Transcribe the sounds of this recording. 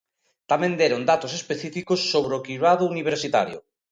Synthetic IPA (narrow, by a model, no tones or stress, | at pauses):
t̪amẽnd̪ɛɾʊnd̪at̪ʊs̬espeθifikʊsːoβɾeokiβaðʊuniβeɾsit̪a̰ɾjʊ̰